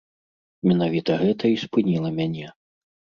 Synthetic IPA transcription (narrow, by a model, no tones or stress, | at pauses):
mʲɛnavʲit̪ɐɣɛt̪ʰɐispɨnʲilˠɐmʲanʲɛ